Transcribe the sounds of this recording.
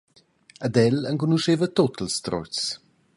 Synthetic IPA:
ad̪ɛləŋkunuʃevətotəlst̪ɾɔ̰t͡s

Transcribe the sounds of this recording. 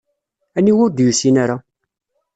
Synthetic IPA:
æniwʊɾd̪jusinaɾa

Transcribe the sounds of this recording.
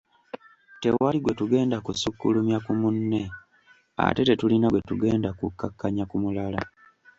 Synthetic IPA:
te̞waliɡwe̞tuɡe̞ːndakusukːulumjakumunːe | a̰te̞te̞tulinaɡwetuɡe̞ːndakukːakːaɲakumulala

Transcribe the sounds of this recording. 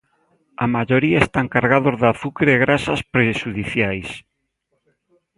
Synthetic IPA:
amaʝoɾiaest̪aŋkaɾɣaðozðaθukɾeeɣɾasaspɾeʃuðiθjajs

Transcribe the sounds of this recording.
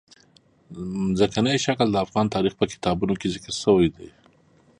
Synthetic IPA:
zəkanajʃakld̪əafɣɑnt̪ɑɾixpəkɪ̥t̪ɑbunokezɪkɾsəwajd̪ej

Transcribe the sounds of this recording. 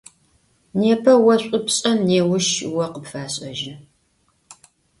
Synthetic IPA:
neːpʰɐwɐɕʷʼʊpɕʼɐmneːwʊʃwɐqəpfaːɕʼɐʒɪ

